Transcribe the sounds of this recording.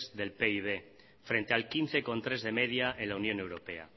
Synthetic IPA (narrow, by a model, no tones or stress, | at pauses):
zðe̞lpeiβ̞e̞ | fɾent̪ealkinθe̞ko̞nt̪ɾe̞zðe̞me̞ðjaʔe̞nlaunjõne̞wɾo̞pe̞a̰